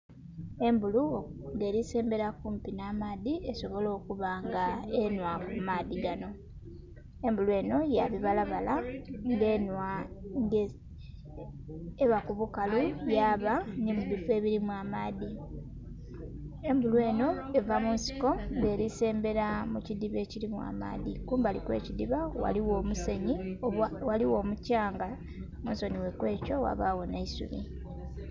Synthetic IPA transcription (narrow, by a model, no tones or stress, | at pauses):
e̞mbuluŋɡe̞ːɾise̞ːmbe̞ɾakuːmpinaːmaːðie̞so̞βo̞lo̞ːkuβaŋɡaenwakumaːðiɡano̞ | e̞mbulue̞ːno̞jaβiβalaβalaŋɡenwaŋɡe | eβakuβukalujaːβanimuðife̞ːβiɾimwamaði | embulwe̞ːno̞e̞vamunsi̥ko̞ŋɡe̞ːɾise̞ːmbe̞ɾamucidiβe̞ːciɾimwa̰ːma̰ːðikuːmbalḭkwe̞̰ːcidiβawa̰liwo̞ːmuse̞ɲiwaliwo̞ːmucaːŋɡa | munso̞niwe̞kwe̞ːco̞wa̰βaɣo̞naisṵmḭ